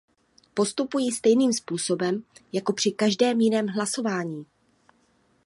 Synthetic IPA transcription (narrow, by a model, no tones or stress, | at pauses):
po̞st̪upujiːst̪ɛjniːmspuːso̞bɛmjako̞pr̝̥ɪkaʒdɛːmjɪnɛːmɦlaso̞vaːɲiː